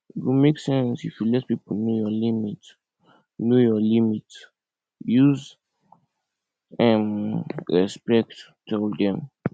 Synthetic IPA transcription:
kumeksɛ̃nsifulɛtpiponojɔlimit | nojɔlimit | juz | ɛ̃nɹɛspɛk̚t | tɛldɛ̃m

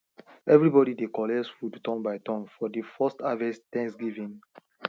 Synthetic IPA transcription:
ɛvɹibɔdidekɔlɛsfudtɔ̃mbaɪtɔ̃mfɔdifɔstavɛstɛ̃ŋksɡivĩn

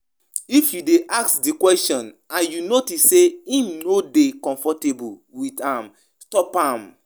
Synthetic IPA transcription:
ifjudeʔaksdikwɛstɔ̃n | ãnjunotisseĩmnodekɔ̃ɱfɔtebuwitãm | stɔpãm

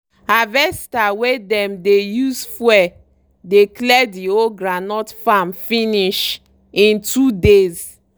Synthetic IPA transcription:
avɛstawedɛ̃mdejusfwɛ | deklɛdioɡɹanɔtfamfiniʃ | ĩntudez

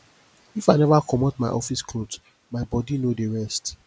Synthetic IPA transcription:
ifaɪnɛvakʰɔmɔtmaɪʔɔfiskʰlot | maɪbɔdinodeɹɛst

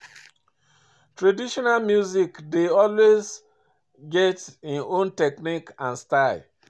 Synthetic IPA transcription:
tɹadiʃɔnalmjuzikdeɔlwez | ɡɛtĩnõntɛknikãnstal

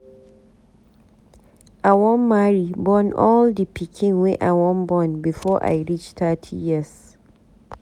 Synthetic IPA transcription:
ʔawɔmːaɹibɔnʔɔldipikʰĩŋwɛʔa̰wɔnbɔnbifɔʔa̰jɹit͡ʃtatʰḭjiəs

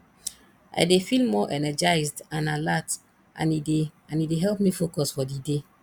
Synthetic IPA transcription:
ʔa̰jdefilmɔʔɛnɛd͡ʒaɪzdãnalat | ʔã̰nideãnideɦɛlpmifokɔsfɔdide

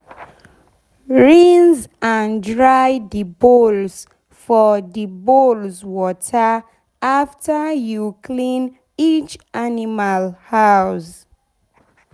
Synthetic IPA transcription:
ɹĩnzãndɹajdibols | fɔdibolzwɔtʰə | aftəjukʰlĩn | it͡ʃanimalhaws

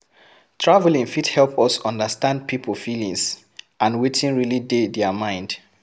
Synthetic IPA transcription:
tʰɹavlĩŋfithɛlˠpɔsɔ̃ndəstãnd̚pʰipʰəfilĩŋs | ʔãnwetĩnɹilidedɛmãɪ̃nd̥

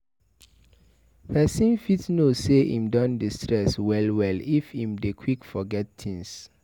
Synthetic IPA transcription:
hɛsĩnfitnoseʔḭ̃mdɔ̃ndistʰɹɛswɛlwɛlifhĩmdekʰwikfɔɡɛt̚tʰĩŋs

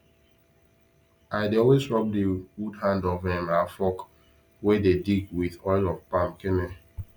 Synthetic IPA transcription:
aɪdeɔlwestɹɔp̚dewudhãndɔvɛ̃mafɔk | wedediɡwiðɔɪlɔvpãmkɛne

